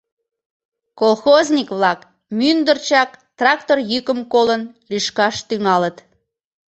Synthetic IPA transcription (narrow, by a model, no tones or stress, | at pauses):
kolˠxozʲnʲikβlɑk | mynd̪ərt͡ɕɑkt̪rɑk̚t̪orjykəmkolən | liʃkɑʃt̪yŋɑlət̪